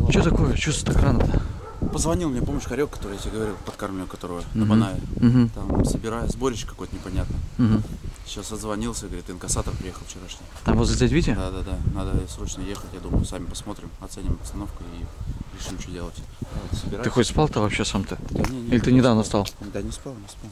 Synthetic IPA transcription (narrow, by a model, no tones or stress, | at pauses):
t͡ɕot̪ɐko̞jət͡ɕust̪ɪt̪ɪkɾanət̪a | pəzvɐnʲilˠmnʲepo̞məɕkɐɾʲokːɐ̥t̪oɾɨjat̪ʲaɡəvɐɾʲilˠfpət̪karmʲʊkɐt̪o̞ɾəjəəɦɐmnajəɦ̩t̪amsəbʲɪɾajəzbo̞ɾʲɪɕkɐkojt̪ənʲɪpɐnʲat̪nəɦm̩ | ɕasəd̪zvɐnʲilˠsʲəɡəvɐɾʲit̪ːɨnəkɐsat̪əkpɾʲɪjexəlˠft͡ɕɪɾaʂnʲɪ | t̪amvozzʲatʲvʲitʲɪd̪ad̪ad̪anad̪əsɾo̞t͡ɕnəjexətʲjad̪uməjʊsamʲɪpɐsmo̞t̪ɾʲɪmɐt̪sɛnʲɪmɐpst̪ɐno̞fkʊiɾʲɪʂɨmt͡ɕodʲelˠət̪ʲ | səbʲɾɨxotʲspalˠt̪avɐpɕːe̞samt̪ɨnʲenʲilʲɪt̪ɨnʲɪd̪avnəst̪alˠd̪anʲɪspalˠnʲɪspalˠ